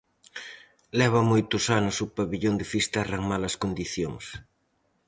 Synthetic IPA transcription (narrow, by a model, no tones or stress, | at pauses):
lɛβ̞ɐmojt̪ʊsanʊsʊpaβiʎond̪ɪfist̪araŋmalɐskond̪iθjoŋs